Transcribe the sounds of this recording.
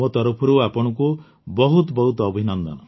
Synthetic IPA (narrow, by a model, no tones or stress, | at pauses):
ot̪ɔɾɔpʰɔɾuapɔɽ̃ɔku | bɔɦut̪ɔbɔɦut̪ɔːbʱinɔnd̪ɔ̰nɔ